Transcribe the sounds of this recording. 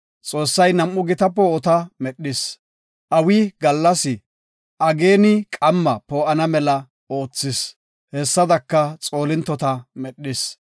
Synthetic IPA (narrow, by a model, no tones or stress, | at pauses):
t͡sʼo̞ːsːɐjnɐmʔːʊɡɪt̪ɐpːɔɔt̪ɐmɛɗːɪs | ʔɐwɪɡɐlːɐsɪ | ʔɐɡeːnɪkʼɐmːɐpoːʔɐnɐmɛlɐ | oːt͡sːɪs | hɛsːɐd̪ɐkːɐt͡sʼo̞ːlɪnt̪ːɔt̪ɐmɛɗːɪs